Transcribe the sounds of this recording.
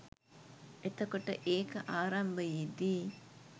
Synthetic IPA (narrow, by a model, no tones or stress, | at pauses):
et̪okoʈəʔeːkəʔaːɾɐmbəjid̪iː